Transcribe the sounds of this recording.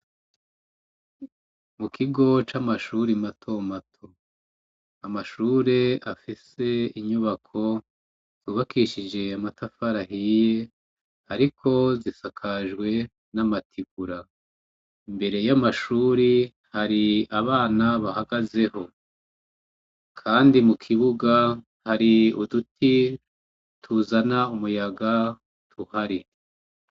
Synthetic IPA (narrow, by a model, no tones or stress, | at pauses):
mukʰiɡo̞t͡ʃamaʃuɾimatʰo̞matʰo | amaʃuːɾe̞afise̞iɲuβakʰo̞ | z̥uːβakiʃid͡ʒe̞amatʰafaɾaɦije̞ | haɾikʰo̞zisakʰaʒɡwe̞ | namatʰiɡuɾa | imbe̞ɾe̞jamaʃuːɾi | haɾiaβaːnaβahaɡaze̞ho̞ | kʰaːndimukʰiβuɡa | haɾiudutʰi | tʰuzanaumujaɡa | tʰuhaɾi